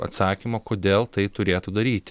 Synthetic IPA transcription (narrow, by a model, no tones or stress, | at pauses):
ɐ̰t̪sɑːkʲimoːkoːd̪ʲeːlˠt̪ɐɪt̪ʊɾʲeːt̪ʊd̪ɐɾʲiːt̪ʲ